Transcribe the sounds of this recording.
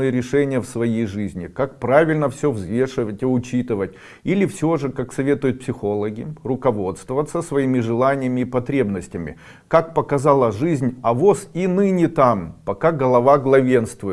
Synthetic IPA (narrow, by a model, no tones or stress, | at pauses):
ɨjəɾʲɪʂɛnʲɪjəfsvɐjejʐɨzʲnʲɪkak̚pɾavʲɪlʲnəfsʲovzvʲe̞ʂɨvətʲɪʊt͡ɕit̪ɨvətʲ | ilʲɪfsʲoʐɨkaksɐvʲe̞t̪ʊjʊt̪̚psʲɪxo̞lˠəɡʲɪrʊkɐvo̞t̪st̪vəvət̪səsvɐimʲɪʐɨlˠanʲɪjəmʲɪːpɐt̪ɾʲe̞bnəsʲtʲɪmʲɪ̰ | kak̚pəkɐzalˠəʐɨzʲnʲɐvosinɨnʲɪt̪ampɐkaɡəlˠɐvaɡlˠɐvʲe̞nst̪vʊɪ